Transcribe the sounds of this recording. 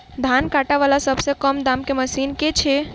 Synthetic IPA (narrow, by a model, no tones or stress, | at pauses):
d̪ʱaːnkaːʈaʋaːlasəbsekəmd̪aːmkeməsiːnket͡ʃʰe